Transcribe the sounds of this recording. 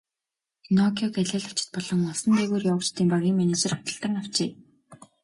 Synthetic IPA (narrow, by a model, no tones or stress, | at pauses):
nɔkʰʲɔkæɮæːɮʊ̥t͡ɕɪ̥̆t̪̚pɔɮɞ̆ŋʊɮsɞ̆nt̪eːɣoːrjawə̆kt͡ɕt̪iːmpaɣʲiŋmænet͡ɕĕrɔ̥t̪ə̆ɬt̪ə̆rnaw̥t͡ɕeː